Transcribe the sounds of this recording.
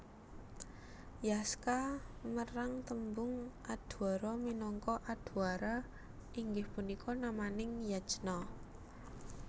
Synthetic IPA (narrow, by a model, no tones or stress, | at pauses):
jaskaməɾaŋt̪əmbʊŋʔad̪̥uaɾɔminɔŋkɔʔad̪̥ṳaɾa | ʔiŋɡɪhpunikʰɔnamanɪŋjḁd͡ʒ̥nɔ